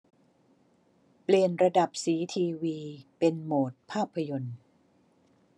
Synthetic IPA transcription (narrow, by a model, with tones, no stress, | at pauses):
pli˨˩ənɾa˧da˨˩p̚siː˩˦t̪ʰiː˧wiː˧pe˧nmoː˨˩t̪̚pʰaː˥˩pʰːa˧jo˧n